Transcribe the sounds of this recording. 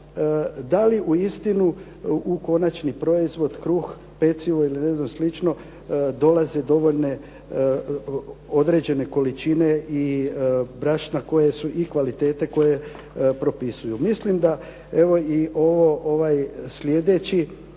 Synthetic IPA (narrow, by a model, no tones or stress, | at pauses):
d̪aliʔuist̪inu | uko̞nat͡ʃnipɾo̞izʋo̞d̪kɾux | pe̞t̪siʋoiline̞znamslit͡ʃno̞ | d̪o̞lˠazed̪o̞ʋo̞ʎne̞ | o̞d̪ɾe̞d͡ʑe̞ne̞ko̞lit͡ʃine̞i | bɾaʃnako̞je̞suʔikʋalit̪e̞ːt̪e̞ko̞je̞ | pɾo̞pisujumislimd̪a | e̞ʋo̞iʔo̞ʋo̞ʔoʋajslʲje̞d̪e̞t͡ɕi